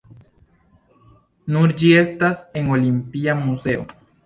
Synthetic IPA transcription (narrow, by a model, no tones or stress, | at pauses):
nuɾd͡ʒie̞stase̞ŋo̞limpiamuse̞o̰